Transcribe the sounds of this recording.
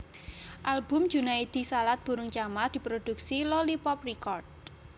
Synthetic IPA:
ʔalbʊ̤m̥d͡ʒ̥ṳnaid̪̥i̤salat̪̚b̥ṳɾʊŋt͡ʃamard̪̥i̤pɾod̪̥ṳksilolipɔprikɔrd̚

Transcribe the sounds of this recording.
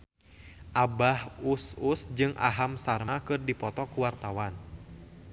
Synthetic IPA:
ʔabahususd͡ʒɨŋʔa̰ɦamsarmakɨrdipɔt̪ɔkuwart̪awan

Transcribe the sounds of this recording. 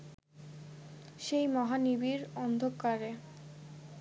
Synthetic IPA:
ʃejmɔɦanibiɾɔnd̪ʱokːaɾe

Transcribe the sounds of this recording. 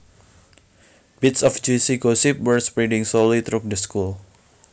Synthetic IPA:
b̥ɪt̪sɔfd͡ʒusiɡosip̚wəɹspɾiɖɪ̃ŋsolit̪ɾuk̚dəskul

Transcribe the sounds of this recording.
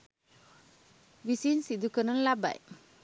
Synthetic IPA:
wisinsid̪ukənɔnlaba̰j

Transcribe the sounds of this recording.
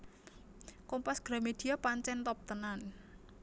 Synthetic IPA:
kompasɡ̥ɾa̤med̪̥i̤apaɲt͡ʃɛnt̪ɔp̚t̪ənan

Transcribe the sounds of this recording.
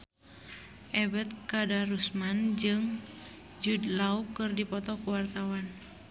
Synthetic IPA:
ʔɛbɛt̪̚kadarusmand͡ʒɨŋ | d͡ʒudlaukɨrdipɔt̪ɔkuwart̪awan

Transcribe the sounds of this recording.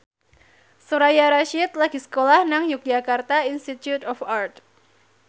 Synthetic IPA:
suɾajaɾaʃɪt̪̚laɡ̥isə̥kolahnaŋjuk̚d͡ʒakart̪ainst̪it̪jut̪ɔfart̪

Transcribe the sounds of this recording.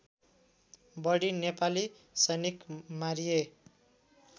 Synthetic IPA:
bʌɽinepali | sʌjnikmaɾie

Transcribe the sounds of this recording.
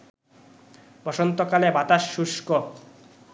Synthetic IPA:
bɔʃont̪okalebat̪aʃːuʃko

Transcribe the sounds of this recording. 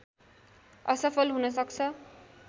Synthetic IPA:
ʌsʌpʰʌlɦunʌsʌkt͡sʰʌ

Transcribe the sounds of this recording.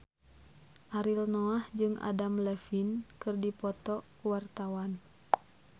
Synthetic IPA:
ʔaɾilnɔahd͡ʒɨŋʔa̰damlɛfinkɨrdipɔt̪ɔ | wart̪awan

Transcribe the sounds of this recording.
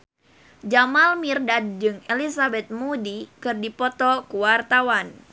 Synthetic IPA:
d͡ʒamalmirdad̚d͡ʒɨŋelisabɛt̪̚mudikɨrdipɔt̪ɔkuwart̪awan

